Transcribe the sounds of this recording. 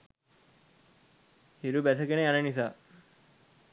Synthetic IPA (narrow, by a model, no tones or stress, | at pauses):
hiɾubæs̬əkeneanənis̬aː